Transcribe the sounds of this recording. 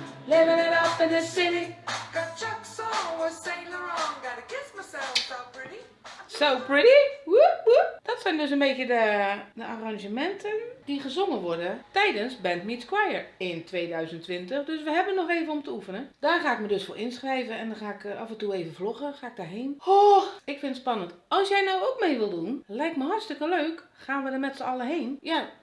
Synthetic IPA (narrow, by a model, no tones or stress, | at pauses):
lɪmənɛɾɔpɪnəsɪnɪɡ̥at͡ʃəksɔəseɪnəɹɔŋɡaɾəkɪsmasɛlˠfsoʊpʰɹɪɾi | soːpɹɪɾiwubud̥ɔtsɛjndøs̬ənbeːtjədədəʔaraŋʒəmɛntʰənd̥iɣəzoŋənʋʊrdətɛjdənsbɛntmitskwajəɹɪntʋeːdœɥzəntʋɪntəxdøsʋəɦɛbənɔxeːvənomtəufənəd̥aːrxaːɪk̚mədøsfoʔɪnsxrɛjvəɛndɔxaːɪkafɛntueːvəvloxəxaːɪk̚daɦeːnhoɪkfɪnətspɑnəntɔlˠsjɛjnowokmeːʋɪlˠdunlɛjktməɦɔrtstɪkəløːkxaːnʋədəmɛtsəɔləɦeːnja